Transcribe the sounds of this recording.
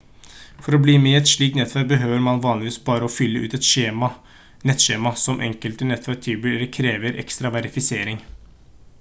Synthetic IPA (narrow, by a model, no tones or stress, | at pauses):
fɔɾɔbliːmeɛt̪ʂɭiːk̚t̪nɛt̪ʰʋæɾk̚bəɦøːʋəɾmɑnʋɑːnlɪʋiːsbɑːɾəɔfʏlːəʔʉ̰ːt̪ɛt̪ʂeːmɑ | nɛt̪ʂeːmɑsɔmʔɛ̰ŋkəlt̪ənɛt̪ʰʋæɾk̚t̪ʰiːbʉəɾəkʰɾeːʋəɾʔɛ̰kst̪ɾɑʋæɾɪfɪseːɾɪŋ